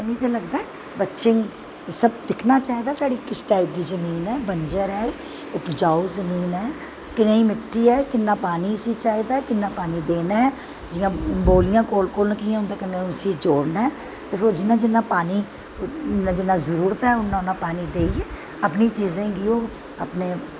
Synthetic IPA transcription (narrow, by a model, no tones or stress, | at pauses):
mĩːt̪eːləɡd̪aːɛ | bətːʃeĩː | səb̚d̪ɪkʰnaːt͡ʃaːiːd̪aːsaːɽiːkɪsʈaːɪp̚d̪iːzəmiːnɛːbəɲd͡ʒəɾɛː | ʊpd͡ʒaːuzəmiːnɛː | kɪnãːiːmɪʈʰːiːɛːkɪnːãːpaːniːəsiːt͡ʃaːiːd̪aːɛːkɪnːãːpaːniːd̪eːnaːɦɛː | d͡ʒɪjãːboːlɪjãːkoːlkoːlnəkiːãːʊnd̪eːkənːeːʊnsiːd͡ʒoːɽnaɛː | t̪eːfʰod͡ʒɪnːãːd͡ʒɪnːãːpaːniː | nãːd͡ʒɪnːãːzəɾuːɾət̪ɛːʊnːãʊnːãːpaːniːd̪eːiɛː | əpniːt͡ʃiːzẽːɡioː | ə̰pneː